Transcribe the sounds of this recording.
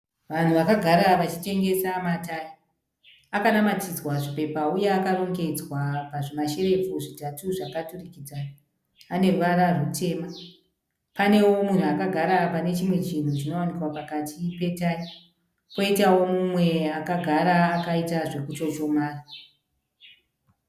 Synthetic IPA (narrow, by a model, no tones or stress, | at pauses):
ʋan̤uʋakaɡʱaɾaʋat͡ʃite̞ŋɡe̞samataːi | akanamatid͡zwaʐipe̞paujeːkaroŋɡe̞d͡zwapaʐemaʃe̞re̞fuʐitatuʐakaturikid͡zaː | ne̞rʋaɾarutʰe̞ːma | pane̞wo̞mun̤uakaɡʱaɾapane̞t͡ʃimwe̞t͡ʃin̤ut͡ʃino̞wanikwapakatʰipe̞taːi | po̞itawo̞mumwe̞akaɡʱaɾaːkaitaʐe̞kut͡ʃo̞t͡ʃo̞maːra